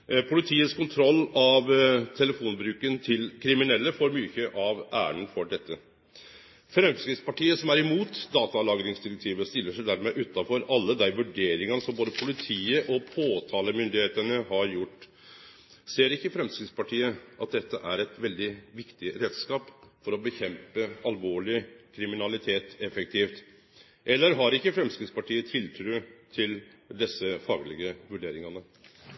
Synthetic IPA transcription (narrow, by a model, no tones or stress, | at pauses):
pʰʊlɪt̪ʰiːəskʰʊnt̪ʰɾɔlːɑʋt̪ʰɛləfuːnbɾʉːkənt̪ʰɪlkʰɾɪmɪnɛlːəfɔɾmyːçəʔɑʋʔæːɾəɳ̩fɔɖɛt̪ːə | fɾɛmskɾɪt̪spɑʈiːəsɔmæɾɪmuːt̪d̪ɑːt̪ɑlɑːɡɾɪŋsd̪ɪɾɛk̚t̪ʰiːʋəst̪ɪlːəʂæɪd̪æːɾmɛʔʉːt̪ːɑfɔɾʔɑlːəd̪æɪʋʉɖeːɾɪŋɑnəsɔmboːd̪əpʰʊlɪt̪ʰiːəʔɔpʰoːt̪ʰɑːləmʏnd̪ɪheːt̪ənəhɑɾjʊʈː | seːɾɪkːəfɾɛmskɾɪspɑʈʰiːəʔɑt̪̚d̪ɛt̪ːəʔæɾɛt̪ʋɛld̪ɪʋɪkt̪ɪɾeːd̪skɑːpfɔɾɔbəçɛmpəɑlʋoːɭɪkʰɾɪmɪnɑlɪt̪ʰeːt̪ɛfək̚t̪ʰiːft̪ | ʔɛlːəɾɦɑɾɪkːəfɾɛmskɾɪspɑʈiːət̪ʰɪlt̪ʰɾʉːt̪ʰɪl | d̪ɛsːəfɑːɡlɪɡəʋʉɖeːɾɪŋɑnə